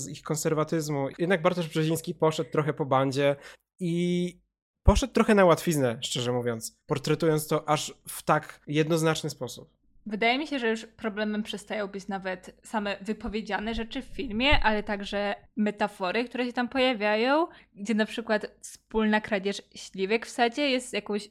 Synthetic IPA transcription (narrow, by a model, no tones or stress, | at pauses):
zixkɔnsɛɾvat̪ɘzmujɛd̪naɡ̚baɾt̪ɔʐbʐɛʑij̃skʲipɔʂɛt̪̚t̪ːɾɔxɛpɔbaɲd͡ʑɛ | i | pɔʂɛt̪̚t̪ːɾɔxɛnawat̪fʲiznɛʂt͡ʂɛʐɛmuvʲjɔnt̪spɔɾt̪ɾɛt̪ujɔntst̪ɔʔaʂft̪akjɛd̪nɔznat͡ʂnɘspɔsup̚ | vɘd̪ajɛmʲiɕɛʐɛjuʂpɾɔblɛmɛmpʂɛst̪ajɔ̃w̃bɘt͡ɕnavɛt̪samɛvɘpɔvʲjed͡ʑanɛʐɛt͡ʂɘffʲilmʲjɛʔalɛt̪aɡʐɛmɛt̪afɔɾɘkt̪uɾɛɕɛt̪ampɔjavʲjajɔ̃w̃ɡd͡ʑɛnapʂɘkwat̪fspulnakɾad͡ʑɛʂɕlʲivɛkfsad͡ʑɛjɛst̪jakɔ̃w̃ɕ